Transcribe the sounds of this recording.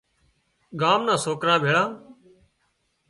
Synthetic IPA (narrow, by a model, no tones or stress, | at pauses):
ɡaːmnãːsoːkɾãːbʱeːɭãː